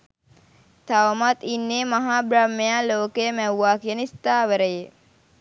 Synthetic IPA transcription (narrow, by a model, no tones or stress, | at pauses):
t̪aʋmat̪inːeːmaɦaːbɾamːejaːloːkejəmæwaːkijənist̪aːʋəɾəje